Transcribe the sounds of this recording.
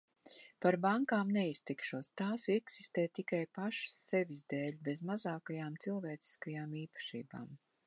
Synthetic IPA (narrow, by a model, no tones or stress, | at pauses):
paɾbaŋkaːmnɛist̪ikʃuɔst̪aːsɛksist̪eːt̪ikajpaʃḁsːɛvʲizd̪ɛːlʲbezmazaːkajaːmt̪silˠvɛːt̪si̥skajaːmiːpḁʃḭːba̰ːm